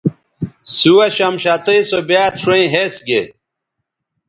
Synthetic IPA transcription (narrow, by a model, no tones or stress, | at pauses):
suwɐɕɐmɕat̪ɐisobjaːt̪ʰʂẽĩɦesɡe